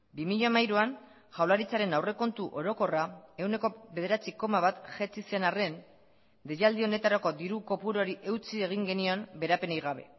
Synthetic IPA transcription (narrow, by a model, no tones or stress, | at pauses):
bimiʎamajɾuan | ʝawlaɾit͡saɾe̞nawre̞ko̞nt̪uʔo̞ɾo̞ko̞rae̞wne̞ko̞βe̞ð̞e̞ɾat͡siko̞maβat̪ʝet͡sise̞nare̞n | d̪ejald̪io̞ne̞t̪aɾako̞d̪iɾuko̞puɾo̞ɾiʔe̞wt͡sie̞ɣ̞iŋɡe̞nio̞nbe̞ɾape̞najɣ̞aβ̞e̞̰